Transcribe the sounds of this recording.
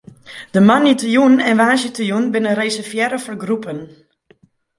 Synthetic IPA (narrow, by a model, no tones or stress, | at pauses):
d̥əmanitəjunɛnʋaːsjətəjunbɪnəɾejsəfjɛɾəfɔrɡrupən